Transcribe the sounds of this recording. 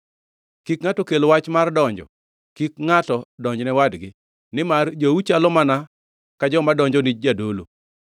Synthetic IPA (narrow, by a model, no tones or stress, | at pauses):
kikŋatɔkelwat͡ʃmardɔɲd͡ʒɔ̰ | kikŋatɔdɔɲd͡ʒnɛwadɡɪ | nɪmard͡ʒout͡ʃalɔmana | kad͡ʒɔmadɔɲd͡ʒɔnid͡ʒ̚d͡ʒadolo̰